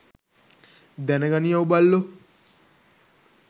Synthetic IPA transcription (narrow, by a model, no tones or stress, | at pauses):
d̪ɛneɡanijaubalːo